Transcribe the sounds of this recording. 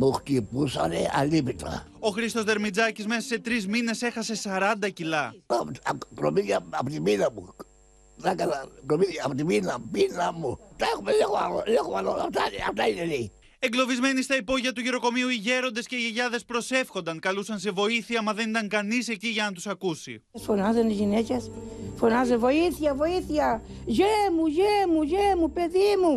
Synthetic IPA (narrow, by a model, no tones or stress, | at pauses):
muxt̪ipusa̰neʔa̰lipit̪a̰ | o̞xɾist̪o̞zðe̞ɾmid͡zɐcizme̞sɐse̞t̪ɾizmine̞se̞xɐse̞sɐɾɐnd̪ɐcilɐ | kɾomiaapot̪iminamu | ðakalakɾomiapot̪iminabinamut̪aexumelexalolexomaloapt̪aaft̪aineni | e̞ŋɡlo̞vizme̞nist̪ɐipo̞ʝiɐt̪uʝeɾo̞ko̞miuiʝe̞ɾo̞nd̪esce̞iʝeʝɐðe̞spɾo̞se̞fxo̞nd̪ɐŋkɐlusɐns̬e̞vo̞iθiɐmɐðe̞nit̪ɐŋkɐnise̞ciʝɐnɐt̪usɐkusḭ | sfonɐzonizʝinecesfonɐzevo̞iθiɐvo̞iθiɐ | ʝemuʝemuʝemupe̞ðimu